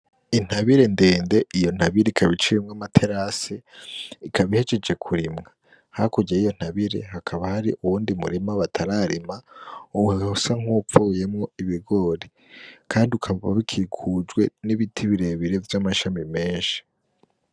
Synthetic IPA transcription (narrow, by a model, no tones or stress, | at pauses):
in̥haβiɾe̞nde̞ːnde̞ijo̞n̥haβiɾeikʰaβit͡ʃiɾimŋamatʰe̞ɾaseikaβihe̞t͡ʃe̞d͡ʒe̞kʰuɾimŋa | hakuɟeijo̞n̥haβiɾe̞̰hakʰaβahaɾḭʔuwuːndimṵɾimaβatʰaɾaɾimauuheusaŋ̥upfuje̞mŋo̞iβiɡo̞ɾi | kʰaːndiukʰaβaβa̰βikʰikʰud͡ʒwe̞niβitʰiβiɾeβiɾe̞vjamaʃamime̞ːnʃi̥